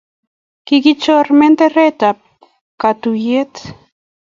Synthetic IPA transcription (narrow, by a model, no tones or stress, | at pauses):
kikit͡ʃoɾment̪eret̪ap̚ | kat̪ujet̪